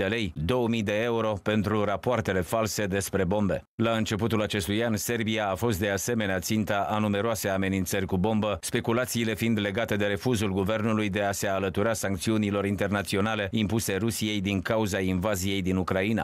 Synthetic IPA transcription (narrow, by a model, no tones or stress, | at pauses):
d̪e̞le̞jd̪o̞wəmijd̪e̞e̞uɾo̞pe̞nt̪ɾurapoart̪e̞le̞false̞d̪e̞spɾe̞bo̞mbe̞̰ | laɨnt͡ʃe̞p̬ut̪ulat͡ʃe̞st̪ujanse̞rbiaːfo̞st̪̚d̪ease̞me̞neat̪sint̪aanume̞ɾoase̞ame̞nint̪sərʲkubo̞mbəspe̞kulat̪siːle̞find̪le̞ɡat̪e̞d̪e̞ɾe̞fuzulɡuve̞rnulujd̪e̞ase̞alət̪uɾasaŋkt̪siunilo̞ɾint̪e̞rnat̪sio̞nale̞impuse̞rusije̞jd̪iŋkauzainvazije̞jd̪inukɾaina̰